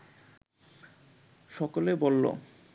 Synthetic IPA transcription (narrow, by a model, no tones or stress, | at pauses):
ʃɔkolebolːo̰